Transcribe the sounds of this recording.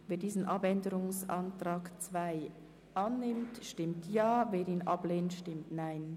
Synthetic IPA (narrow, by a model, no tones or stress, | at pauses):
veːdiːzən̩ʔɑbɛndəɾʊŋsɑntɾaːkt͡svaɪ | ʔɑnːɪmtʃtɪmtʰjaːveːɾiːnʔɑbleːntʃtɪmtnaɪn